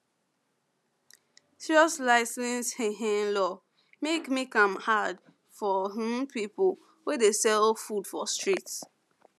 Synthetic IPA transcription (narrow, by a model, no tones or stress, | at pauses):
siɹɔslaɪsĩnshɛ̃ɦɛ̃nlɔ | mekmikãmhad | fɔɦũmpʰipəl̩ | wedesɛlfudfɔstɹit